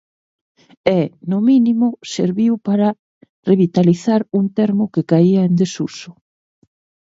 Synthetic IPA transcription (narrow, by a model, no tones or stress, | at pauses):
ɛnʊminimʊseɾβiwpaɾɐ | reβit̪aliθaɾuŋt̪ɛɾmʊkekaiɐend̪esusʊ̥